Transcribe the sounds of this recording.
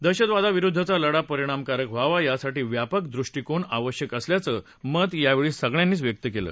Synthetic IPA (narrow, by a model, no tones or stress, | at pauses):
d̪əɕəd̪ʋad̪aʋiɾud̪ʱːət͡saləɽapəɾiɽ̃amkaɾəkʋaʋajasaʈiːʋjapəkd̪ɾuʂʈiːkoɳaʋəɕjəkəsljat͡səː | mət̪jaʋeɭiːsəɡɭjanːiːt͡sʋjək̚t̪əkelə̰ː